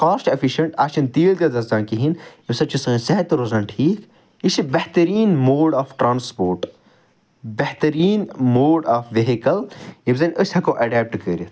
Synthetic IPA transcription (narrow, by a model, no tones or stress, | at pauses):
kaːsʈɐfʰiʃɐɳʈaːʃʰɐnt̪iːlɡ̪ɐzɐsaːnkiɦinjibsɐt͡ʃʰusɐsɐɦɐt̪ɾozɐːnʈʰiːk | iʃibɐht̪ɐɾiːnmoːɖaːfʈɾaːnspoːɾʈ | bɐht̪ɐɾiːnmoːɖaːfʋeɦikɐljibzɐnʔəsʲhɐkõːʔɐɖɛːp̚ʈkəɾʲit̪